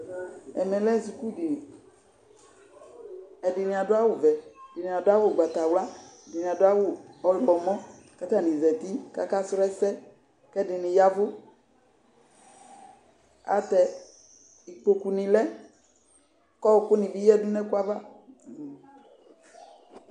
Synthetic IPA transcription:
ɛ̰˨mɛ̃˨lɛ˦zu˨ku˦dɪ˨ | ɛ˨dɪ˨nɪ̃˨a˨dʊ˦a˦wʊ˨vɛ˨dɪ˨nĩ˨a˨dʊ˦a˦wʊ˨ɡ͡ba˨t̪a˨wla˦˨dɪ˨nĩ˨a˨dʊ˦a˦wʊ˨ɔ˦lʊ˨kɔ˨mɔ̃˦ | ka˦t̪a˦˨nĩ˨zɛ˨t̪i˦ka̰˦ka˦sɾɛ˦sɛ˦ | kɛ˦dɪ˨nɪ̃˨ja˦vʊ˦ | a̰˨t̪ɛ˨ | i˨k͡po˨ku˨nɪ̃˨lɛ˦ | kɔ˦wkʊ˦nɪ̃˨bi˦jɛ˦dʊ˦nɛ˦kʊ˦a˦va˦˨

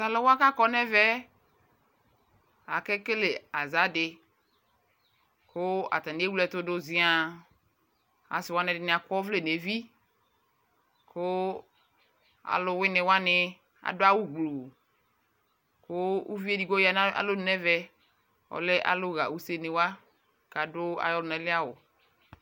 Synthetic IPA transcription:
sa˨lɔ˦wa˦ka˦kɔ˦nɛ˦vɛ˦ | a˨kɛ˦ke˦le˨a˨za˨˦dɪ˨ | ko˦a̰˨t̪ã˨n˨˦e˦wu˦lɛ˦˨t̪ʊ˦do˦zĩ˦a˨ | a̰˨sɪ˨wa˦nɛ̃˨dɪ˨nɪ̃˨a˨kɔ˦vle˦˨ne˨vi˦ | ko˦ | a̰˨lʊ˨wɪ˦nẽ˨wa˦nɪ˨ | a̰˨do˦a˦wu˦ɡlo˨ | ko˦u˦vi˦e˦di˨ɡo˦ja˨na˦a̰˨lo˦nɛ˦vɛ˦ | ɔ̰˨le˦ʔa̰˨lo˦ɣa̰˨wu˦se˦˨nẽ˨wa˦ | ka˨do˦a̰˨jɔ˦lʊ˨nɛ̃˨lɪ˦a˦wo˨

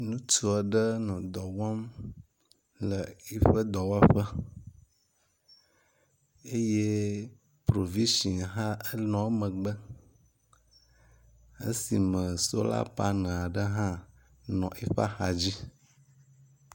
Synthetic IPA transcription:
nũ˦t̪u˦a˨ɖə˦nɔ̃˨d̪ɔ˨wɔ˦m | lə˨i˦ɸə˦d̪ɔ˨wa˦ɸə˦ | e˦je˦ | pɾo˨vĩ˦ʃi˨n˨ɦã˦ə˦nɔ̃˨˦mə̃˨ɡ͡bə˦ | ə̰˦si˨mə̃˨so̰˦la̰˦pa˦nə̃˨a˨ɖə˦ɦã˦ | nɔ̃˨ʔe˦ɸa̰˦xa˨d͡ʑi˦

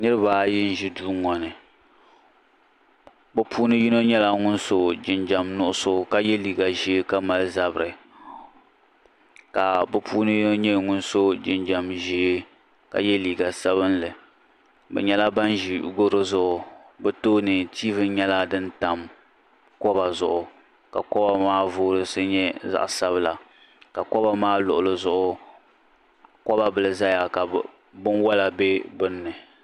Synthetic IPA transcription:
nɨ˦ɾɨ˦baː˨˦jɪ˦n̩˦ʒi˦duː˦ŋɔ˨nɨ˨ | bɛ˨pʰuː˦nɨ˦ji˦no˦ɲɛ˦la˦ŋʊ˦nso˨d͡ʒɪ˨nd͡ʒa˨mnʊ˦ʔʊ˦so˦ka˦jɛ˦liː˨ɡa˨ʒi˦e˦ka˦ma˨lza˦bɨ˨ɾɨ˨ | ka˨bɨ˨pʰuː˦nɨ˦ji˦no˦ɲɛ˦˨ŋʊ˦nso˦d͡ʒɪ˨nd͡ʒa˨mʒi˦e˦ | ka̰˨jɛ˦liː˨ɡa˨sa˦βɨ˦nlɨ˨ | bɛ̰˨ɲɛ˦la˦ba˦nʒi˨ɡo˦ɾɨ˦zʊ˨ʔʊ˨bɛ˦toː˦nɨ˨tiː˦vɨ˦ɲɛ˦la˦dɨ˦nta˨m | kɔ˦ba˨zʊ˨ʔʊ˨ | ka̰˨kɔ˦ba˨maː˦vʊː˦ɾɨ˦sɨ˦ɲɛ˦za̰˨ʔsa˦βɨ˦la˨ | ka˨kɔ˦ba˨maː˦lʊ˨ʔʊ˨lɨ˦zʊ˨ʔʊ˦˨ | kɔ˦ba˨bɨ˨lɨ˨za˦ja˨ka˨ | bʊ˦nwa˦la˨be˦bɨ˦nːɨ˨

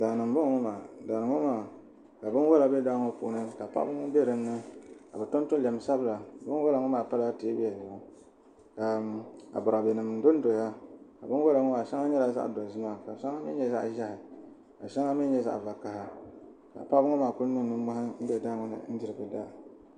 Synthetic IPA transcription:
daː˨nɨ˨m˨bʊ˦ŋ˦ŋɔ˦maː˨daː˨nɨ˨ŋo˦maː˦˨ | ka˨bɨ˦n˦wɔ˦la˨bɛ˦da˦ŋo˦pṵ˨ʔnɨ˦ka˨pa̰˦bɨ˦ŋɔ˦be˦ɾɨ˨m˦nɨ˦ka̰˨bɛ˨to˦n˦tʊ˦lɛ˨m˨sa˦bla˨bɨ˦n˦wɔ˦la˨ŋɔ˦maː˦˨pa˦la˦ti˨˦bi˦a˨ʒa˦ | ka˨a̰˨bʊ˨ɾa˨bɛ˨nɨ˨m˨n̩˨˦do˦n˦do˨ja˦ka˨bɨ˦n˦wo˦la˨ŋɔ˦maː˨ʃa˦ŋa˦ɲɛ˦la˨za̰˦ʔdo˨zɨ˦ma˦ka˨ʃa˦ŋa˦m˦ɛ̰˦ɲɛ˦za̰˦ʔʒa˦hɪ˨ | ka̰˨ʃa˦ŋa˦m˦i˦ɲɛ˦za̰˦ʔva˨ka˨ha˦ | ka̰˨pa˦bɨ˦ŋo˦maː˦˨kʊ˦nɨ˦m˨nɨ˦mɔ˦ha˦n̩˦bɛ˦˨daː˦ŋɔ˨nɨ̰˨n̩˦dɨ˨ɾɨ˨bɨ˨da˦˨

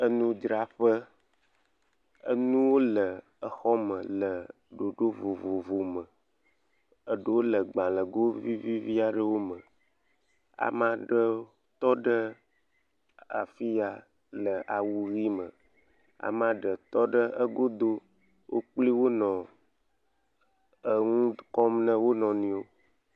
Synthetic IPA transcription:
ə˦nũ˦d͡ʒɾa˨ɸə˦ | ə̰˦nũ˦wo˦lə˨ | ə˨xɔ˦mə̃˨lə˨ | ɖo˨ɖo˦vo˨vo˨vo˨mə˨ | ə˨ɖə˨wo˦lə˨ɡ͡bã˨lə˨ɡo˦vi˦vi˦vi˦a˨ɖə˦wo˦mə˨ | a̰˨mã˦ɖə˦ | t̪ɔ˦ɖə˦ | a̰˨fi˦a˨ | lə˨ʔa˨wu˦ɣi˦mə˨ | a̰˨mã˦ɖə˨t̪ɔ˦ɖə˦ə˦ɡo˦d̪o˦ | wʔo˦k͡pli˦wo˦nɔ̃˨ | ə˨ŋũ˦kɔ˦mnə̃˦wo˦nɔ̃˨nĩ˨o˦

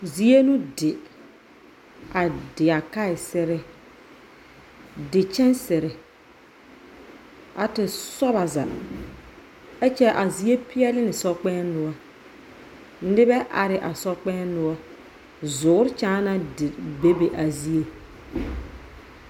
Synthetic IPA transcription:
zi˦e˦nũ˦dɪ˨ | a˨dɪ˨a˨ka˦ɪ˨sɪ˦ɾɪ˨ | dɪ˨t͡ʃɛ˦nsɪ˨ɾɪ˨ | a˨tɪ˨sɔ˦βa˨za̰˨ | ɛ˦t͡ʃɛ˦ʔa˨zi˦e˦pɪ˦ɛ˦lɪ˦nɪ˨sɔ˦k͡pɛː˦nʊ˨ɔ˦ | n̩˦ɪ˦bɛ˦ʔa˨ɾɪ˨ʔa˨sɔ˦k͡pɛ˦nʊ˦ɔ˦ | zʊː˨˦ɾɪ˦t͡ʃaː˦na˦dɪ˨be˦be˨ʔa˨zi˦e˦

